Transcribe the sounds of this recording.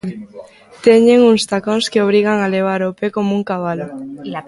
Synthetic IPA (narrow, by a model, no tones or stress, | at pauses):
t̪eɲeŋuŋst̪akoŋskeoβ̞ɾiɣ̞aŋaleβ̞aɾopekomuŋkaβ̞alo